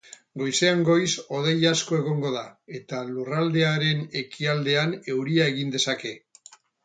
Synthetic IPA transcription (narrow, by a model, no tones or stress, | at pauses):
ɡo̞jse̞aŋɡo̞jso̞ðejasko̞e̞ɣ̞o̞ŋɡo̞ð̞ae̞t̪alurald̪e̞aɾe̞ne̞kʰiald̪e̞ane̞wɾiae̞ɣind̪e̞sake̞